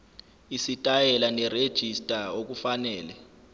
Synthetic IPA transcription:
isitʼajɛlanɛred̥ʒ̥ʱistʼaok̬ufanɛːlɛ

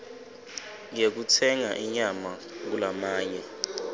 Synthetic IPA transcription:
ŋek̬utʰɛŋaʔiɲama | k̬ulamaːɲɛ

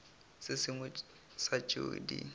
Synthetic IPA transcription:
sɪsɪŋʊ | sat͡ʃʼo̰ːdḭ

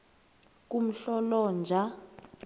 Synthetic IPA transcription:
k̬ʼum̩ɬɔlɔnd͡ʒʱa

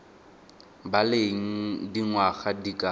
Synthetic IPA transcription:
baleŋ̩diŋwaɣadikʼa

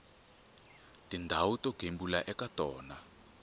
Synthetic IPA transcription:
tindʱawutoɡ̥ʱembulaʔɛkatɔːna

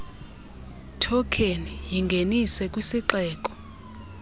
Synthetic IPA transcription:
tʰɔkʰenijiŋɡʱenisɛkʼwisiǁɛːk̬ʼɔ̥

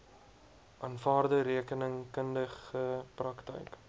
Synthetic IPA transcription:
ʔɑnfɑːrdəɾiəkənəŋkəndəχəprɐktə̰jk

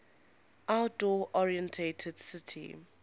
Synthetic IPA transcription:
ʔaldɔʔɔɹiɛ̃ntʰetʰəd̥sɪtʰḭ

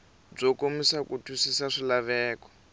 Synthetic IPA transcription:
b͡ʐɔkomisakutʰusisaʂilaβɛːkɔ̥

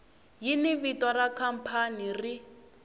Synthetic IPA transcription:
jiniβitɔrakʰam̩pʰaniri

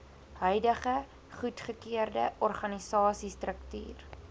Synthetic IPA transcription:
ɦœjdəχə | χutχəkiərdəʔɔrχɐnisɑːsistrəkty̰ːr

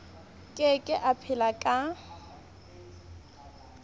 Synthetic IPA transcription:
kʼɛkʼɪʔapʰɪlakʼa

